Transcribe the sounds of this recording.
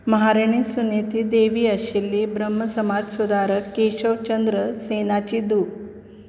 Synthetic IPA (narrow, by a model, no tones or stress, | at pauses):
məɦaɾeɳ̃isunet̪iːd̪eʋiːəɕilːibɾəm̤ːəsəmad͡zsud̪ʱaɾəkːeɕəʋt͡ɕənd̪ɾəsenat͡ɕiːd̪u